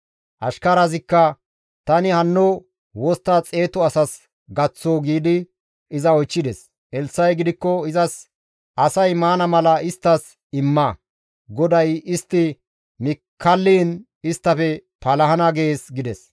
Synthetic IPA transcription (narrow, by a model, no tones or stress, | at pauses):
ʔɐʃkɐɾɐzɪkːɐ | t̪ɐnɪhɐnːɔ | wɔst̪ːat͡sʼe̞ːt̪ɔɐsɐs | ɡɐt͡sːoːɡiːd̪ɪ | ɪzɐɔjt͡ʃːɪd̪ɛs | ɛlsːɐjɡɪd̪ɪkːɔɪzɐs | ʔɐsɐjmaːnɐmɐlɐɪst̪ːɐs | ɪmːɐ | ɡɔd̪ɐjɪst̪ːɪ | mɪkʰːɐlːiːn | ɪst̪ːɐfɛ | pɐlɐɦɐnɐɡe̞ːsɡɪd̪ɛs